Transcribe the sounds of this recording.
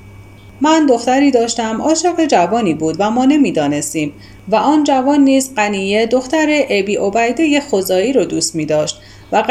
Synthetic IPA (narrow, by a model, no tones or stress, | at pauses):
mænd̪o̞xt̪æɾiːd̪ɒːʃt̪æmʔɒːʃeɣed͡ʒævɒːniːbuːd̪væmɒːne̞miːd̪ɒːne̞st̪iːm | væʔɒːnd͡ʒævɒːnːiːzɢæniːje̞d̪o̞xt̪æɾeʔebiːʔobæjd̪eje̞xozɒːiːɾɒd̪uːst̪miːd̪ɒːʃt̪ | væ